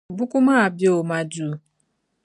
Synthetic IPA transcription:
bʊ˦kʷu˦ma˦a˨bjo˨ma˨du˨˦

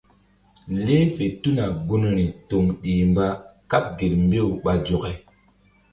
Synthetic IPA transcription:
le˦fe˨tu˦na˨ɡu˦n˦ɾi˨to˨mɗiː˨mba˦ka˦p̚ɡe˨ɾmbe˦˨u˨ɓa˨d͡ʒo˨ke˨

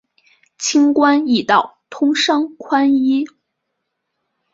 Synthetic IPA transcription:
t͡ɕʰi˥ŋkwa˥ni˥˩t̪ɑ˥˩ʊt̪ʰʊ˥ŋʂɑ˥ŋkʰwa˥ni˥

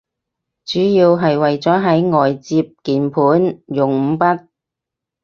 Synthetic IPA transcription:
t͡ʃyː˨˥jiː˧wɦɐ˨jwɐ˨jt͡sɔː˨˥ɦɐ˨˥jŋɔː˨jt͡siː˧p̚kiː˨npʰuː˨˥njʊ˨ŋm̩˨˧pɐ˥t̚

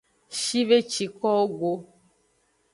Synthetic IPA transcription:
ʃi˦ve˦t͡ʃi˨kɔ˦wo˦ɡo˦

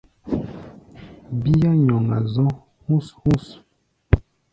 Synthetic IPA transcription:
bi˦ja˦ɲɔ˨ŋa̰˨zɔ̃˦ | hũ˦shũ˦s

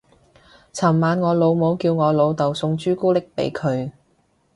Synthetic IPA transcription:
t͡sʰɐ˨˩mːaː˨˧nŋɔː˨˧lo˨˧wmo˨˧wkiː˧wŋɔː˨˧lo˨˧wt̪ɐ˨˩wsʊ˧ŋt͡ʃyː˥kuː˥lɪ˥k̚pe˨˥jkʰɵ˨˧ɥ

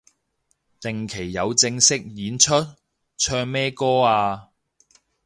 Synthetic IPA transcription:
t̪ɪ˨ŋkʰe˨˩jːɐ˨˧wt͡sɪ˧ŋsɪ˥k̚jiː˨˥nt͡ʃʰɵ˥t̚ | t͡ʃʰœː˧ŋmɛː˥kɔː˥aː˧

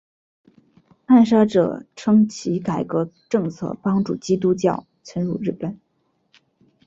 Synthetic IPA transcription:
a˥˩nʂa˥ʈ͡ʂɤ̰˨˩ʈ͡ʂʰɤ˥ŋt͡ɕʰi˧˥ka˨˩ɪkɤ˧˥ʈ͡ʂɤ˥˧ŋt͡sʰɤ̰˥˩pɑ˥ŋʈ͡ʂṵ˥˩t͡ɕi˥t̪̬u˥t͡ɕjɑ̰˥˩ʊ | t͡sʰə˥nɻṵ˥˩ɻ̩˥˩pə˨˩˦n

